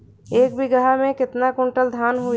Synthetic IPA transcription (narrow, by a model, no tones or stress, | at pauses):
eːk̚bʱiɡɐɦamẽkɪt̪nakʊ̃ɳʈəld̪ʱaːnɦʊ